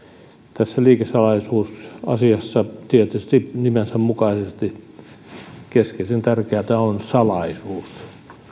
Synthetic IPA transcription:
t̪æsːæliːkesɑlɑisuːsɑ̰siɑsːɑt̪iet̪yst̪inimensæmmukɑisest̪i | keskesent̪ærkeæt̪æonsɑlɑisuːs

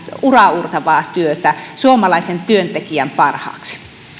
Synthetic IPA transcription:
urɑurt̪ɑʋɑːt̪yøt̪æsuomɑlɑisent̪yønt̪ekiæmpɑrhɑ̰ːksi̥

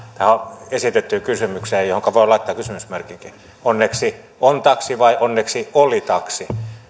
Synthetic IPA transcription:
t̪æhæoesit̪et̪ːykysymykseːjohoŋkɑʋoilɑit̪ːˑɑːkysymysmerkiŋki | onːeksi | ont̪ɑksiʋɑiʔonːeksiolit̪ɑksi

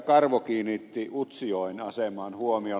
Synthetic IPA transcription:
kɑrʋokiːnit̪ːiut̪sioˑinɑsemɑnhuomio

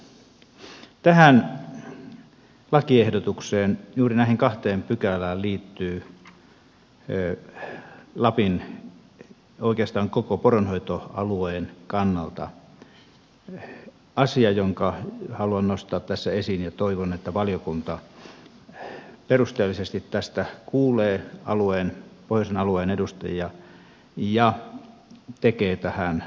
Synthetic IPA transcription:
t̪æhæn | lɑkiehdot̪ukseːnjuːrinæˑihiŋkɑht̪eːmpykælæːlliːt̪ːyː | lɑpin | oˑikeɑst̪ɑːŋkokoporonhoit̪oɑ̰lueːnkɑnːɑlt̪ɑ̰ | ɑsiɑjoŋkɑhɑluɑnnost̪ɑːt̪t̪æsːæesinjɑt̪oiʋonet̪ːæʋɑljokunt̪ɑ | perust̪eːlːisest̪it̪tæst̪ækuːleːɑlueːnpohjosenɑlueːnedust̪ḛjiɑ | jɑ | t̪ekeːt̪æhæn

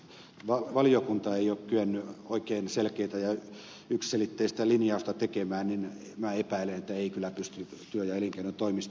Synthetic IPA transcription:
ʋɑʋɑlijokunt̪ɑeiokkyenːyoikeinselkeit̪æjɑ | yksselit̪ːeisi̥t̪ælinjɑust̪ɑt̪ekemæːnnin | mæːepæilenet̪ːæeikylːˑæpyst̪yt̪yøjɑeliŋkeæynyt̪oimist̪

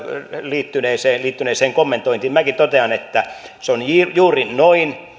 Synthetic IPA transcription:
liːt̪ːyneːseːliːt̪ːyneːseːŋkomːent̪oint̪immækit̪ot̪eɑnet̪ːæ | seonjijuːrinnoin

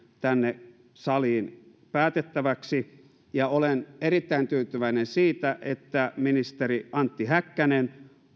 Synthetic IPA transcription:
t̪ænːe | sɑliːn | pæːt̪et̪ːæʋæksi | jɑolenerit̪ːæint̪yːt̪yʋæinensiːt̪æʔet̪ːæminist̪eriɑnt̪ːihækːænen

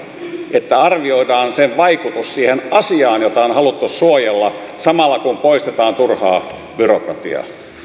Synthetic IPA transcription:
et̪ːæɑrʋioidɑːnseʋʋɑikut̪ussiːhenʔɑsiɑːnjot̪ɑonhɑlut̪ːussuojelːɑsɑmɑlːɑkumpoist̪et̪ɑːnt̪urhɑː | b̥yrokrɑt̪ḭɑ̰

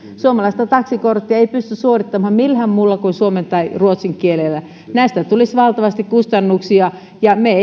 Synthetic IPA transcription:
suomɑlɑist̪ɑt̪ɑksikort̪ːiɑeipyst̪yssuorit̪ːɑmhɑmmilhæmmulːɑkunsuoment̪ɑiruot̪siŋkielelːæ | næist̪æt̪ulisʋɑlt̪ɑʋɑst̪ikkust̪ɑnːuksiɑ | jɑme

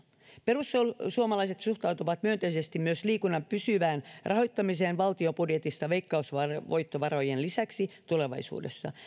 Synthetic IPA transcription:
perusːolsuomɑlɑiset̪suht̪ɑut̪uʋɑt̪myønt̪eisest̪immyøsliːkunːɑmpysyʋæːnrʔɑho̞jt̪ːɑmiseːnʋɑlt̪iopudjet̪ist̪ɑʋeikːɑusʋɑʋojt̪ːoʋɑrojenlisæksit̪ule̞ʋɑ̰isṵːdesːɑ̰

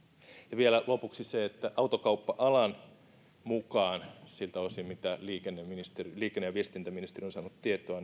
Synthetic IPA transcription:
jɑʋielælopuksiseet̪ːæʔɑut̪okɑupːɑʔɑlɑn | mukɑːnsilt̪æosimit̪æliːkenːeminist̪eriliːkenːejɑʋiest̪int̪æminist̪erionsɑːnut̪t̪iet̪oɑ

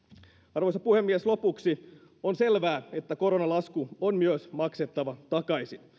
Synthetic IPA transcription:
ɑrʋojsɑpuhemːieslo̞puksi | onse̞lʋæːe̞t̪ːæko̞ɾo̞nɑlɑskuonmyøsmɑkset̪ːɑʋɑt̪ɑkɑisin

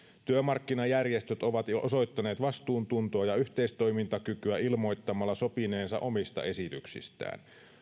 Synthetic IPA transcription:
t̪yømɑrkːinɑjærjest̪øt̪o̞ʋɑt̪oso̞jt̪ːɑneːt̪ʋɑst̪uːnt̪unt̪oɑjɑyht̪eist̪o̞jmint̪ɑkykyæilmo̞jt̪ːɑmɑlːɑso̞pine̞ːnsɑ̰ʔo̞mist̪ɑ̰e̞sit̪yksḭst̪æ̰ːn

